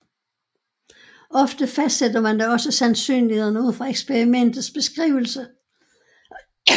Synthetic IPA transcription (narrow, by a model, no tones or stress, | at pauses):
ɒ̽fd̥əfæsd̥sed̥ɐmænd̥æɒ̽səsænsy̰ːnliheðˠnəuð̞̰ˠfʁɑ̈eɡ̥sb̥ʰeʁimen̰d̥ð̩ˠsb̥e̝sɡ̥ʁḭːʊl̩sə